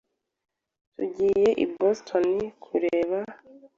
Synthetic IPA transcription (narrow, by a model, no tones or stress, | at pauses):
tuɟiːje̞ʔḭbostʰonikʰuɾeːβa